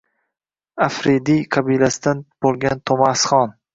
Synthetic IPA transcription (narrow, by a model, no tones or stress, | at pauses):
afɾed̪ijqʰabijlasɪd̪anb̥olˠɡʲant̪ʰomasχɒn